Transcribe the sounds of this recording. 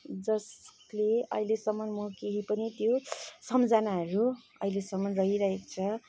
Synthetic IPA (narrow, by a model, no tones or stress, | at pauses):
d͡zʌs | leʌ̰ɦilesʌmːʌnmʌkeɦipʌnit̪josʌmd͡zanaɦʌɾu | ʌ̰ilesʌmːʌnrʌɦiɾʌɦekt͡sʰʌ